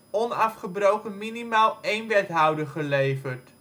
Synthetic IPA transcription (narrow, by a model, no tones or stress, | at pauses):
ɔnɑfχəbrowkənminimaːlˠejnʋɛtɦɑwdəχəlejvərt